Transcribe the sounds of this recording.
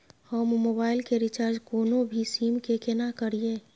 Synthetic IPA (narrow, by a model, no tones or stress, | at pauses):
həmːoːbaːɪlkeɾɪt͡ʃaːɾd͡ʒkoːnõbʱisiːmkekenakəɾieː